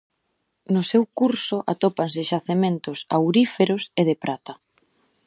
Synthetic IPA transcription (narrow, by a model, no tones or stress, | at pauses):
nʊsewkuɾsʊʔa̰t̪opansɪʃaθement̪ʊsa̰wɾifeɾʊseðɪpɾʔat̪ɐ